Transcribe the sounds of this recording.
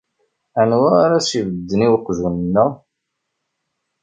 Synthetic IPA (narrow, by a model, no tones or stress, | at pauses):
ænwæɾasivəd̪ːəniwəqːʒunənːə